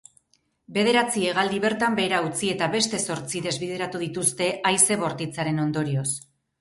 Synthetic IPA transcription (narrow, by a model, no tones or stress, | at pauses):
be̞ðe̞ɾat͡sieɣald̪iβe̞ɾt̪ambe̞ːɾaut͡sie̞t̪aβe̞st̪e̞so̞ɾt͡siðe̞zβið̞e̞ɾat̪uð̞it̪ust̪e̞ʔajse̞βo̞ɾt̪it͡saɾe̞no̞nd̪o̞ɾio̞s